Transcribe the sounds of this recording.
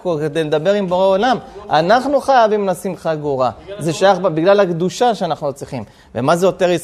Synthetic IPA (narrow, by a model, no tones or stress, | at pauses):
koked̪ejled̪abe̞ʁimboʁeolama̰naχnuχajavimlasimχaɡuʁazeʃajaχbabiɡlalhakd̪uʃaʃeanaχnut͡sʁiχim | vemazejo̞t̪e̞ʁis